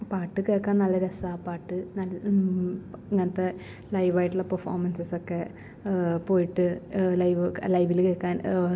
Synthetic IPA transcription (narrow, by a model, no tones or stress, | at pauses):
paːʈːɨkeːɻkːaːnnɐlːɐɾesaːpaːʈːɨnɐl | eŋːɐnɐt̪ːe̞ | lɐjʋaːjiʈːuɭːɐpɐrfoːrmɐnsɐsokːe̞ | po̞ːjiʈːɨlɐjʋɨlɐjʋilkeːkːaːn